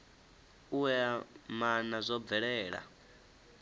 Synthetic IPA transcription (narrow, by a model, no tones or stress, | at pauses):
uwɛmanazʷɔb̪vɛɺɛːɺa̰